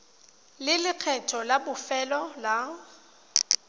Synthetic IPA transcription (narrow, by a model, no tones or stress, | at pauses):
lɪlɪq͡χʰɛtʰɔlabʊfɛlɔla